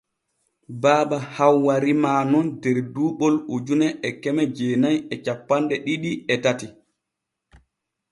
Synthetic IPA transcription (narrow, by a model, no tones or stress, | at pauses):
baːɓahawːaɾimaːnɔndɛɾduːɓɔlud͡ʒunɛɛkɛmɛd͡ʒɛːnajɛt͡ʃapːandɛɗiɗiɛtati